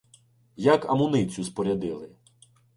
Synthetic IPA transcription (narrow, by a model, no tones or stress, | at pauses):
jɐkɐ̰munɪt͡sʲʊspɔɾʲɐd̪ɪlˠɪ